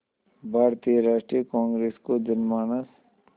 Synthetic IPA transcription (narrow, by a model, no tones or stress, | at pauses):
bʱaːɾt̪ijəɾaːʃʈɾikãːŋɡɾeːskod͡ʒɐnmaːnəs